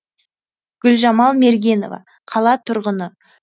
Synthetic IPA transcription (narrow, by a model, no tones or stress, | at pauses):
ɡ̥ʲʏlʒɑmɑlˠme̞ɾɡʲe̞no̞̰vɑ̰ | qʰɑlˠɑt̪ʰʊɾʁənə